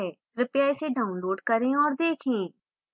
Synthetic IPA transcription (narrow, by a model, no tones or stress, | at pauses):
ɛ | ɾʊpjaɪseɖʱaːʊ̃nloːɖkɐɾẽɔːɾd̪eːkʰẽː